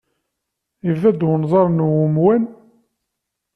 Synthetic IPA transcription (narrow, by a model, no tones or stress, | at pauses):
ivðæd̪wənzˤɑɾˤnwʊmwæn